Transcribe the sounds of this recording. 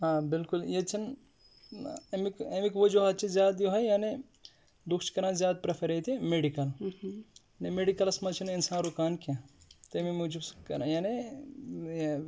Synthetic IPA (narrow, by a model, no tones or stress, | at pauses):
ɦãːbilkuljet͡ʃʰɐn | ɐmikemikʋod͡ʒoɦɐt͡ʃʰizjaːd̪joɦɐjjaːne | lukʰt͡ʃkɐɾãzjaːd̪̚pɾɐpʰɐɾejt̪ʰimeɖikɐl | nemeɖikɐlɐsmɐt͡ʃʰininsãːnɾukaːnkat̪ɐmimud͡ʒuskɐɾajaːne